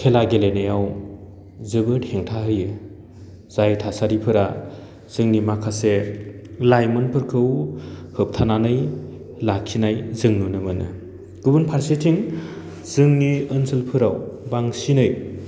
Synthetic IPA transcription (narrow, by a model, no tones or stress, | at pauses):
kʰelaɡelenejaw | zɯbɯʈheŋtʰaɦɯjɯ | z̥ajtʰasaɾipʰɯɾa | z̥ɯŋnimakʰase | lajmɯnpʰɯɾkʰɯwhɯp̚tʰananɯj | lakʰinajzɯŋnunɯmɯnɯ̰ | ɡ̥ɯbunpʰaɾsitʰiŋ | z̥ɯŋniɯnsɯlpʰɯɾawbaŋsinɯj